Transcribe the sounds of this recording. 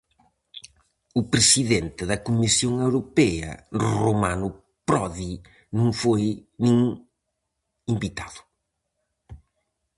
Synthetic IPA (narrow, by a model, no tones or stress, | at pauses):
ʊpɾesiðent̪ɪðɐkumisjoŋewɾopɛɐ̰romanʊ | pɾɔði | nũŋfojnĩŋ | imbit̪aðʊ̥